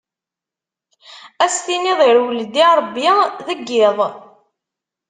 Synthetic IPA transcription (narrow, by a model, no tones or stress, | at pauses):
æst̪iniðˤiɾwəld̪iɾˤəbːiðəɡːɪðˤ